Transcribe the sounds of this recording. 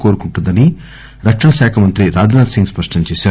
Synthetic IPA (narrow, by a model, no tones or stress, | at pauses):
koːɾukuɳʈund̪ɐni | ɾɐkʂɐɳɐʃaːkʰɐmɐnt̪ɾiɾaːd͡ʒɐnaːd̪siŋɡspɐʂʈɐɲt͡ʃeːʃaː